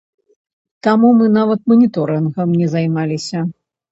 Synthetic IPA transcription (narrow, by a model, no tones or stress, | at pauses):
t̪amumɨnavɐt̪̚mɐnʲit̪ɔɾɨnɣɐmnʲɛzajmalʲisʲɐ